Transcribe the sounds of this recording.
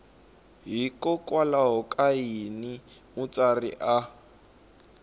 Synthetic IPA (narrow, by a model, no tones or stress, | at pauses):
ɦikɔkwalaɦɔkʼainimut͡sarḭʔa